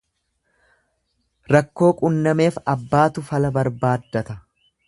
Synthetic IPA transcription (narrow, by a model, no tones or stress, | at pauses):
ɾɐkːo̞ːkʼʊnːɐme̞ːfɐbːaːt̪ʊfɐlɐbɐɾbaːd̪ːɐt̪ɐ